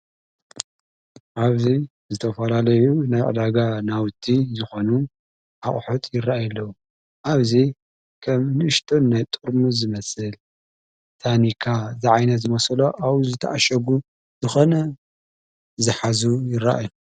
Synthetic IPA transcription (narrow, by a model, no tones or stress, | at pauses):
ʔaβzi | zɨt̪ʰɐfɐlalɐjunajʕɨ̰d̪aɡanawt̪ʰːizɨxo̞nu | ʔaχʼħot̪ʼjɪrːaʔajɐlːɐwu | ʔaβzi | kʰɐmnɨʔɨʃt̪ʰonːajt̪ʼuɾmuzɨmɐsɨl | t̪ʰanikʰazɨʕajnɐtzɨmɐsloʔawuzɨt̪ʰɐʔaʃɐɡu | zɨxo̞nɐ | zɨħazujɪrːa̰ʔaju